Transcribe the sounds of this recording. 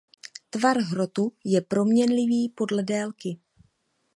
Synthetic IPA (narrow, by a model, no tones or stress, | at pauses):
t̪vaɾɦɾo̞t̪ujɛpɾo̞mɲɛnlɪviːpo̞dlɛdɛːlkɪ